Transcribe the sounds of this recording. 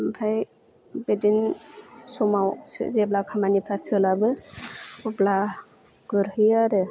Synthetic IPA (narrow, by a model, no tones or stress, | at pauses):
mpʰaj | bedinsɔmawszeblakʰamanipʰɾasɯlabɯ | ɔbla | ɡɯɾhɯjaɾɯ